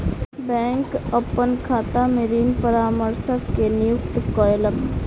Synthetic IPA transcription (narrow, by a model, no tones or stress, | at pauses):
bɛ̃ːŋkəpːənkʰaːt̪ameɾiːnpəɾaːməɾsəkːenɪjukt̪kɔeləm